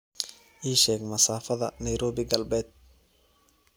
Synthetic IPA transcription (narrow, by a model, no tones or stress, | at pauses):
ʔiːʃɛːɡmɐsaːfɐðɐnɛjɾɔːβɪɡɐlbɛːd̪̚